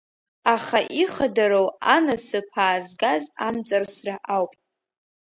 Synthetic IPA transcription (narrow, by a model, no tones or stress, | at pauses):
aχaʔiχadaɾowanasɨpʰaːzɡazamt͡sʼarsraʔawpʼ